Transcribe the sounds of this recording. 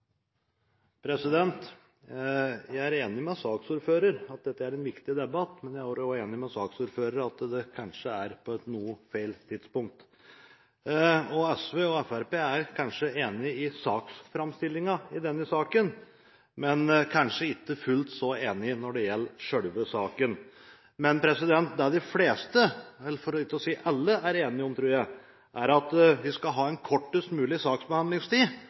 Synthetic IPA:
pʰɾɛsɪd̪ɛnt̪ | jæɪæɾeːnɪmɛsɑːksuːɾføːɾəɾɑt̪̚d̪ɛt̪ːəæɾɛnʋɪkt̪ɪd̪ɛbɑt̪ːmɛnjæɪhoːɾjɔeːnɪmɛsɑːksuːɾføːɾəɾɑt̪d̪ɛkʰɑnʂəæɾpʰɔɛt̪nuːəfæɪlt̪ʰɪd̪spʊŋk̚t̪ | ɔɛsʋeːɔɛfæɾpeːæɾkʰɑnʂəeːnɪɪsɑːksfɾɑmst̪ɪlːɪŋɑɪd̪ɛnːəsɑːkən | mɛnkʰɑnʂəɪt̪ːəfʉlt̪sɔeːnɪnɔɖɛjɛlːʂœɽʋəsɑːkən | mɛnpʰɾɛsɪd̪ɛnt̪̚d̪ɛd̪ɪfleːst̪əɛlːfɔɾɔɪt̪ːəɔsiːʔɑlːəʔæɾeːnɪɔmt̪ʰɾʉːɾjæɪ | ʔæɾɑt̪ʋɪskɑɦɑːɛnkʰɔʈːʉst̪mʉːlɪsɑːksbəhɑnd̪lɪŋst̪iː

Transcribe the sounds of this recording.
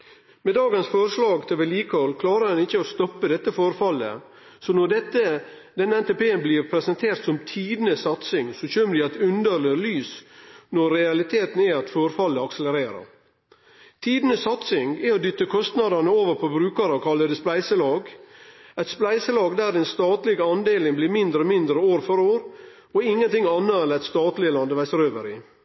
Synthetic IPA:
meːd̪ɑːɡənsfɔɾʂlɑːɡt̪ʰɪlʋɛliːkʰɔlkʰlɑːɾəɾɛnɪçːəost̪ɔpːəd̪ɛt̪ːəfɔɾfɑlːə̰ | sɔnɔɖ̪ɛt̪ːə | d̪ɛnːəɛnt̪epeːənbliːɾpʰɾɛsənt̪ʰeːɾt̪sɔmt̪ʰiːd̪nəsɑt̪sɪŋsɔɕøːnəd̪ɪɑt̪ʉnd̪əɾləlyːsnɔɾɾɛɑlɪt̪ʰeːt̪n̩æɑt̪fɔɾfɑlːəɑksələɾeːɾə̰ɾ | t̪ʰiːd̪nəsɑt̪sɪŋɛɔd̪ʏt̪ːəkʰɔst̪nɑd̪ɑnəoːʋəɾpʰɔbɾʉːkɑɾəkʰɑlːəd̪əsplæɪsəlɑːɡ | ɛt̪splæɪsəlɑːɡd̪æːɾɛnst̪ɑːt̪lɪɡɑnd̪eːlɪŋbliːɾmɪnd̪ɾəɔmɪnd̪ɾəoːɾfɔɾoːɾ | ɔɪŋːənt̪ɪŋːɑnːəɛlæɪt̪st̪ɑːt̪lɪəlɑnd̪əʋæɪsəɾøːʋəɾɪ̰

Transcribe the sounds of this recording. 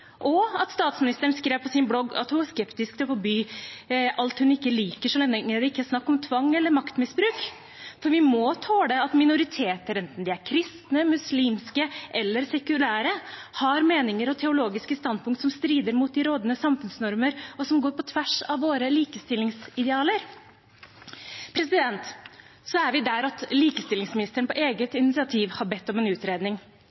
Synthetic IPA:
ʔɔɑt̪st̪ɑːt̪smɪnɪst̪əɾənskɾeːʋpʰɔsɪnblɔɡɑ̰t̪hʊnæskɛpt̪ɪskt̪ɛpɔbyː | ʔɑlt̪hʉnɪkːəliːkəʂɔɛnəŋəd̪ɪɪkːəsnɑkːɔmt̪ʰʋɑŋːɛlːəɾmɑkt̪mɪsbɾʉːk | fɔɾʋɪmɔt̪ʰɑːd̪ɛɑt̪mɪnʊɾɪt̪ʰeːt̪əɾɛnt̪n̩d̪ɪæɾkʰɾɪst̪nəmʉsliːmskəʔɛlːəɾsɛkʉlæːɾəhɑɾmeːnɪŋəɾɔt̪ʰɛʊloːɡɪskəst̪ɑnd̪̚pʊŋkt̪sɔmst̪ɾiːd̪əɾmuːt̪̚d̪ɪɾoːd̪nəsɑmfʉnsnɔɾməɾɔsɔmɡoːɾpɔt̪ʰʋæʂɑʋʋoːɾəliːkəst̪ɪlːɪŋsɪd̪ɛɑːləɾ | pʰɾɛsɪd̪ɛnt̪ | sɔæɾʋɪd̪æɾɑt̪liːkəst̪ɪlɪŋsmɪnɪst̪əɳəpɔʔeːɡət̪ɪnɪt̪sɪɑt̪ʰiːʋhɑɾbɛt̪ːɔmɛnʉːt̪ɾeːd̪nɪŋ

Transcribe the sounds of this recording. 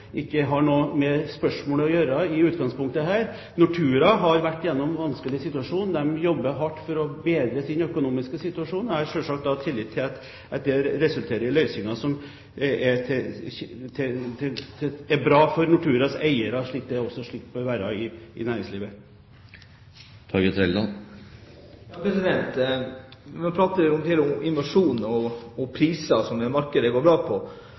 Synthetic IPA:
ʔɪkːəɦɑɳoːmɛspœʂmoːləɔjøːɾɑɪʉːt̪̚ɡɑŋspʊŋkt̪əɦæːɾ | nʊʈʰʉːɾɑɦɑɾʋæʈːjɛnːɔmʋɑnskəlɪsɪt̪ʉɑʂuːnd̪ɛmjɔbːəɦɑʈːfɔɾɔbeːd̪ɾəsɪnœkʊnuːmɪskəsɪt̪ʉɑʂuːnɔhɑɾʂølʂɑkt̪̚d̪ɑt̪ʰɪlːɪt̪ʰːɪlt̪ | ɛt̪̚d̪ɛɾɛsʉlt̪ʰeːɾəɾɪlœʏsɪŋɑsɔm | ɛ | t̪ʰɪt̪ʰɪæbɾɑːfɔɾnɑʈ̪ʰʉːɾɑsæ̰ɪəɾɑʂɭiːk̚d̪ɛɔsɔʂɭɪk̚t̪bɔʋæːɾɑɪɪ̰næːɾɪ̃ŋsliːʋə | t̪ʰɑːɡət̪ʰɾɛld̪ɑn | jɑːpɾɛsɪd̪ɛnt̪ | mɔpʰɾɑːt̪əɾɪʊmd̪heːlʊɪnʋɑʂuːnɔɔpʰɾiːsɑsɔmːɛmɑɾkəd̪əɡoːɾbɾɑːpʰɔ

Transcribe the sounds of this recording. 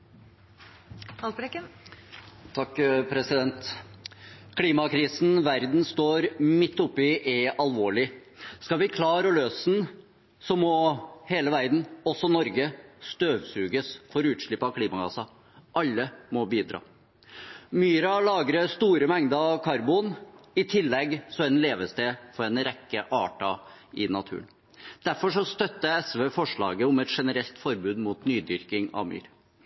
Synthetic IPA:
ɑlɾɛkə | t̪ʰɑkːpʰɾɛsɪd̪ɛnt̪ | kʰliːmɑkʰɾiːsnʋæɾd̪n̩st̪oːɾmɪt̪ːʊpːɪʔɛɑlʋoːɭɪ | skɑʋɪkʰlɑːɾəløːsn̩ | sɔmɔheːləʋæɾd̪n̩ɔsːɔnɔɾɡəst̪øːʋsʉːɡəsfɔɾʉːt̪ʂɭɪpːɑkʰliːmɑɡɑ̰sɑ | ʔɑlːəmɔbiːd̪ɾɑ̰ː | myːɾɑlɑːɡɾəst̪uːɾəmɛŋd̪əɑʋkʰɑɾbuːnɪt̪ʰɪlːɛɡsɔɛnleːʋəst̪eːfɔɾɛnɾɛkːəʔɑːʈɑ | ɪnɑt̪ʰʉ̰ːən | d̪̥æɾfɔʂɔst̪œt̪ːəɛsʋeːfɔʂɭɑ̰ːɡəʊmɛt̪ʂɛnəɾɛlt̪fɔɾbʉːd̪muːt̪nyːd̪ʏɾkɪŋɑ̰ʋmy̰ːɾ

